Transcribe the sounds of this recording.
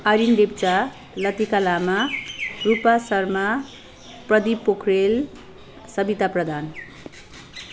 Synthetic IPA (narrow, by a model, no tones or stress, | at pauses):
aɾindep̚t͡sa | lʌt̪ikalamarupasʌrma | prʌd̪ipːokʰrel | sʌbit̪aprʌd̪ʱan